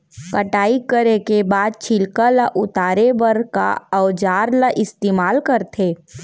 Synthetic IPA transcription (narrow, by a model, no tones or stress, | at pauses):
kɐʈaːikəɾekebaːd̪̚t͡ʃʰɪlkalaʔʊt̪aːɾebəɾka̰ɐd͡ʒaːɾləʔɪst̪eːmaːlkəɾt̪ʰeː